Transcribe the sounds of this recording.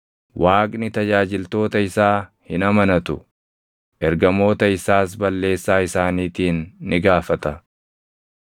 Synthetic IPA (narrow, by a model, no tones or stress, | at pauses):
wʔaːkʼnɪt̪ɐd͡ʒaːd͡ʒɪlt̪o̞ːt̪ɐɪsaːhɪnɐmɐnɐt̪ʊ | ʔɛɾɡɐmo̞ːt̪ɐɪsaːs̬bɐlːe̞ːsːaːɪsaːniːt̪iːnːɪɡaːfɐt̪ɐ